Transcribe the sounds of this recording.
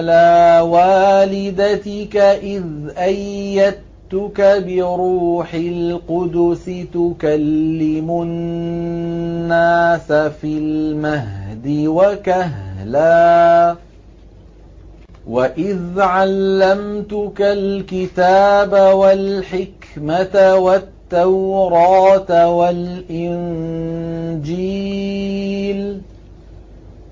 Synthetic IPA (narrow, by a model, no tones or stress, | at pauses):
laːwaːlɪd̪at̪ɪkaʔɪðʔajːad̪̚ | t̪ʊkabɪɾuːħɪlqʊd̪ʊsɪt̪ʊkalːɪmʊ | aːsafilmaɦd̪ɪwakaɦlaː | waʔɪðʕalːamt̪ʊkalkɪt̪aːbawalħɪk | mat̪awat̪ːawɾˤɑːt̪walʔɪn | d͡ʒiː | l